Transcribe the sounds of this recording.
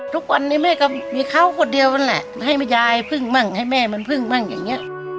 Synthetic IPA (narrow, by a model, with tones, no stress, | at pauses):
t̪ʰu˧˥k̚wa˧nːiː˧˩˨mɛː˧˩kɔ˧˥˩miː˧kʰa˧˥˨wkʰo˧˩˨ndi˧əwma˧˥˩nlɛ̰˧˩ʔɦa˧˩jma˧˩jaː˧jpʰɯ˧˩ŋma˧˩ŋha˧˩jmɛː˧˩ma˧˥˨npʰɯ˧˩ŋma˧˩ŋja̰ː˨ŋni˦˥ɐʔ